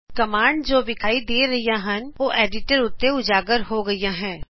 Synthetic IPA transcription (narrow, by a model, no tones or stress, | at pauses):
kɐmaːɳɖd͡ʒoːʋɪkʰaːid̪eːɾɐɦijaɦɐ̃nʋoːʔeːɖɪʈəɾʊt̪ːeʊd͡ʒaːɡəɾɦoɡɐijaɦɛ̃ː